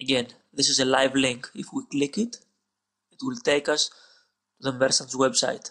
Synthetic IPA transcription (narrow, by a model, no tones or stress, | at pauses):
əɡɛ̃n | ðɪsɪzəlajvlɪ̃ŋkɪfwiklɪkɪt̪ | ɪtwɪlt̪eɪkɐs | tuðəmbɛɾsə̃nswɛbsa̰jt̪